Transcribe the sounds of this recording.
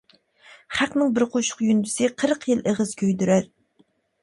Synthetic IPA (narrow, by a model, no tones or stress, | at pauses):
χæqnɪŋbɪɾqʰoʃʊ̥qjynd̪ysɪqʰəɾəqjɪlˠʔeʁəzkʲʰøjd̪yɾæɾ